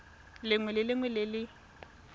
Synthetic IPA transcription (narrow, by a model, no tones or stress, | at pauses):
lɪŋwɛlɪlɪŋwɛlɪlɪ